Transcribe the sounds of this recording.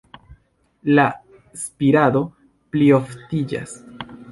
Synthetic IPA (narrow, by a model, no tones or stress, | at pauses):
la | spiɾado̞ | plio̞ftid͡ʒa̰s